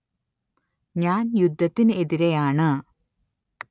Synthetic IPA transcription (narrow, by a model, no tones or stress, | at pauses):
ɲaːnjud̪ʱːɐt̪ːinɨeðiɾejaːɳɨ